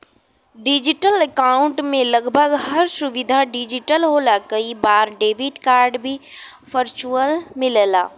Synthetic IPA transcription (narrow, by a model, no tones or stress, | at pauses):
ɖɪd͡ʒɪʈələkaːʊ̃ɳʈmẽlɐɡbʱəɡhɐɾsʊʋɪd̪ʱaɖɪd͡ʒɪʈəlɦoːlakɐibaːɾɖeːʋɪɖkaːɾɖbʱifəɾt͡ʃuəlmɪlla̰ː